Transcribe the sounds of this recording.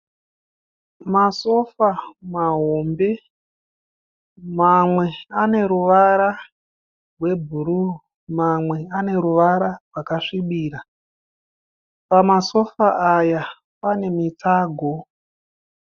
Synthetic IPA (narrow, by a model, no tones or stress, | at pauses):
maso̞famaɦombe̞ | mamwe̞ane̞ɾuʋaɾa | rwe̞bʱuɾu | mamwe̞ane̞ɾuʋaɾarwakaʂiɓiːɾa | pamaso̞faʔaja | pane̞mit͡saːɡʱo̞